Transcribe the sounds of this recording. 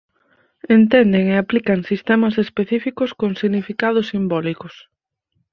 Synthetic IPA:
ent̪ɛnd̪eŋeaplikɐŋsist̪ɛmɐsespeθifikʊskoŋsiɣnifikað̞ʊsimbɔlikʊs

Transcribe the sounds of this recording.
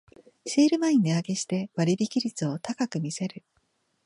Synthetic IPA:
ɕiːɾɯ̟maĩɲd̪eaɡe̞ɕi̥t̪e̞βaɾʲibʲikʲiɾʲit͡sɨo̞t̪akakɯ̟mʲise̞ɾɯ̟

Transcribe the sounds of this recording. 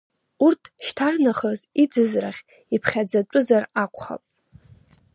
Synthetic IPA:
urtʰʃtʰarnaχəzid͡zɨzraχʲ | ipʰχʲad͡zat͡pʷʼʊzarakʷʰχa̰pʼ

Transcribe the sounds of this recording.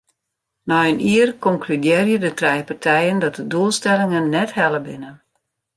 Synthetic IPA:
nɔəniərkɔŋklydjɪərjədətrɛjpartʰɛjəndɔt̚dəduəlˠstɛlɪŋənːɛthɛlˠəbɪnən

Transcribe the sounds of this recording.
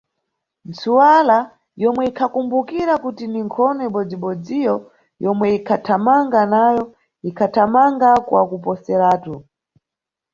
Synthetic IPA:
nt͡suwala | jɔmwɛikʰakumbukiɾakutiniŋkʰɔnɔiɓɔd͡ziɓɔd͡zijɔ | jɔmwɛikʰatʰamaŋɡanajɔ | ikʰatʰamaŋɡakwa̰kupɔsɛɾaːtu

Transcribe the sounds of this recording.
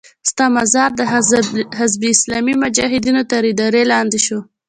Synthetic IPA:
st̪ɑmazɑɾd̪əɦɪzbiɪslɑmimʊd͡ʒɑɦɪd̪inot̪aɾid̪ɑɾelɑnd̪eʃo

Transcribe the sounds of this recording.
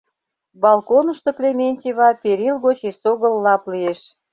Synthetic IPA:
bɑlˠkonə̆ʃt̪oklemʲenʲtʲiβɑpeɾilɣot͡ɕesoɣə̆lːɑplieʃ

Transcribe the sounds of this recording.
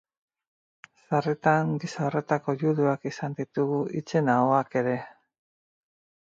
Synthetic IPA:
saret̪aŋɡisaore̞t̪ako̞ʝuðuakisand̪it̪uɣuʔit͡se̞naoake̞ɾe̞

